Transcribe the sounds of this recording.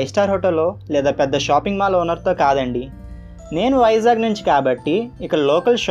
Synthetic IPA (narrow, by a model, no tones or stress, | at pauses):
jsʈaːɾɦoːʈɐlːo̞ːlɛːd̪aːpɛd̪ːɐʃaːpiŋɡmaːlɐunːɐɾt̪o̞ːkaːd̪ɐɳɖi | ne̞ːnuʋɐjɐzaːɡnuɲt͡ʃi̥kaːbɐʈːiːkɐɽɐloːkɐlʃ